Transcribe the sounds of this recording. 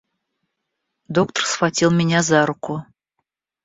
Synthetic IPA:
d̪ok̚t̪ərsfatʲilˠmʲɪnʲazɑɾʊkʊ

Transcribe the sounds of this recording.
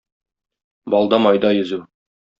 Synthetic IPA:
bɒlˠd̪ɑmɒjd̪ɑjɵ̆zʉ

